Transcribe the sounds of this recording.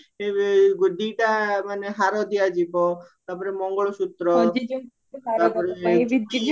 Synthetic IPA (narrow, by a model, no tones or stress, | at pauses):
eɡɖiʈamaneɦaɾɔd̪iad͡ʒibɔt̪aɾpɔɾemɔŋɡɔɭɔʃut̪ɾɔd͡ʒ̪ | aɾpɔɾe